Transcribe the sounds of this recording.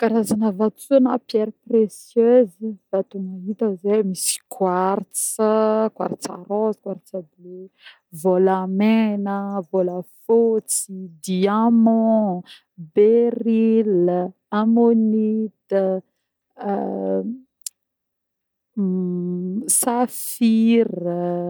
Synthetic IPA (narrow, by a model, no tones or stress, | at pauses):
kaɾazanəvat͡suanapjɛɾpresjøzivat̪umaɦit̪əzemisi̥kʰwaɾt͡səkwa̰ɾt͡sa̰ɾɔz̥kwaɾt͡sabe | volamenəvoləfot͡sid̪iamɔ̃ | beril | amonit̪ə | saffir